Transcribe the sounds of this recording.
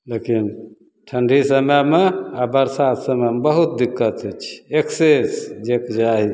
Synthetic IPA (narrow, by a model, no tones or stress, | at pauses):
lekin | ʈʰəɳɖʱisəməmeabəɾsat̪ʰsəməmebəɦut̪̚d̪ikːət̪ət͡ʃʰi̥eksesd͡ʒekd͡ʒaɦi